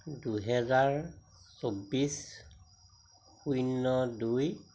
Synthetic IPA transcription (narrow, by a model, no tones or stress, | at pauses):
duɦɛzaɹ | sobːis | xujnːɔduj